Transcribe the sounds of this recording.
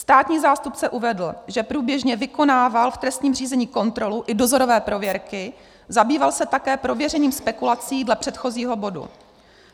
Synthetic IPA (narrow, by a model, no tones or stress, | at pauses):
st̪aːt̪ɲiːzaːst̪upt͡sɛʔuvɛdl̩ʒɛpɾuːbjɛʒɲɛvɪko̞naːvalft̪ɾɛst̪ɲiːmr̝iːzɛɲiːko̞nt̪ɾo̞luʔɪdo̞zo̞ɾo̞vɛːpɾo̞vjɛɾkɪ | zabiːvalsɛt̪akɛːpɾo̞vjɛrɛɲiːmspɛkulat͡siːdlɛpr̝̥ɛt̪xo̞ziːɦo̞bo̞dṵ